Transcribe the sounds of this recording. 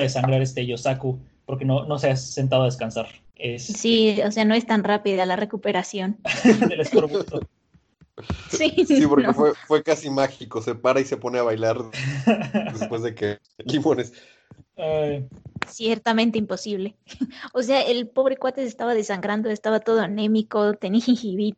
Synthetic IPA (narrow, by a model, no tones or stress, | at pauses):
ðesaŋɡɾaɾest̪eʝosaku | po̞ɾke̞no̞no̞seasːe̞nt̪að̞oaðeskansaɾ | essiose̞ano̞e̞st̪anrapiðalare̞kupe̞ɾasjo̞nd̪elesk̪oɾβt̪o | ssisipoɾkefwwefwe̞kasimaxiko̞se̞paɾaise̞po̞ne̞aβajlaɾ | d̪epwezðeke | limõ̞nes | ajsjeɾt̪amẽnt̪eimpo̞siβle̞os̬e̞aʔelpo̞β̞ɾe̞kwat̪esest̪aβaðe̞saŋɡɾand̪oe̞st̪aβat̪o̞ð̞oanemiko̞t̪eniaxiŋxiβit̪